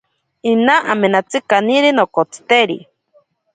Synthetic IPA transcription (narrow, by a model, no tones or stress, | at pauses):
inaʔamenat͡sɨkaniɾinokot͡sɨ̥t̪eɾḭ